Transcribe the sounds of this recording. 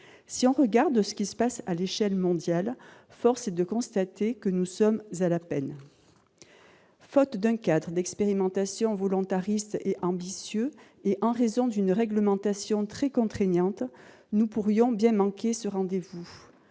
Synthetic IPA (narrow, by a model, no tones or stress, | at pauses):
siɔ̃ʁəɡaʁd̪sə̥kʲisə̥pasaleʃɛlmɔ̃d̪jal | fɔʁsd̪əkɔ̃st̪at̪ekənusɔmzalapɛn | fɔt̪d̪ɛ̃kad̪ʁəd̪ɛkspeʁimɑ̃t̪asjɔ̃vɔlɔ̃t̪aʁist̪eʔɑ̃bisjø | eʔɑ̃ʁezɔ̃d̪ynʁɛɡləmɑ̃t̪asjɔ̃t̪χɛkɔ̃t̪χɛɲɑ̃t̪ | nupuʁjɔ̃bjɛ̃mɑ̃kesəʁɑ̃d̪evu